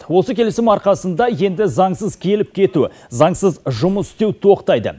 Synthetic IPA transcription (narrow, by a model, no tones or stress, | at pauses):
wo̞səkʲʰe̞lesɪmɑɾqɑsənd̪ɑje̞nd̪ɪzɑɴsəzkʲʰe̞lɪp̚kʲʰe̞t̪u | zɑɴsəzʒʊməsʏ̥st̪e̞wt̪ʰo̞qt̪ɑjd̪ə̰